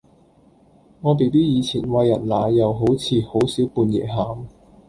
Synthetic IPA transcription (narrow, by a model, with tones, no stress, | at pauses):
ŋɔː˨˧p̬e˨˩jpiː˥jiː˨˧t͡sʰiː˨˩nwɐ˧jːɐ̰˨˩nlaː˨˧jɐ˨˧wɦo˨˥wt͡sʰiː˨˧ho˨˥wsiː˨˥wpuː˧njɛ̰ː˨˩ɦaː˨m